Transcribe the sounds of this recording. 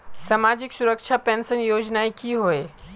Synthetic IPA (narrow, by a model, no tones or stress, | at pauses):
samaːd͡ʑɪksʊɾəkʃʰapɛ̃ːnsənjoːd͡ʑnaekiɦoːe